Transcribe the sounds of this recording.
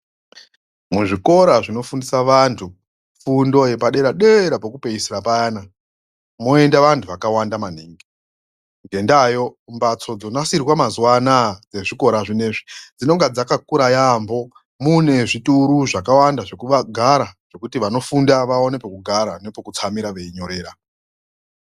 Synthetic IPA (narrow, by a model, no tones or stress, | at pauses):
muʐiko̞ɾaʐino̞fundisaʋantʰu | fundo̞je̞paɗe̞ɾaɗe̞ɾapokupe̞isiɾapajaːna | moe̞ndaʋantʰuʋakawandaman̤iːŋɡe | ŋɡe̞ndajo̞mbat͡so̞d͡zo̞nasirwamazwanad͡ze̞ʐiko̞ɾaʐine̞ʐid͡zino̞ŋɡad͡zakakuɾajambo̞ | mune̞ʐituɾuʐakawandaʐe̞kuʋaɡʱaɾaʐ̥o̞kutiʋano̞fundaʋao̞nepekuɡʱaɾane̞pokut͡samiɾaʋe̞iɲo̞ɾe̞ːɾa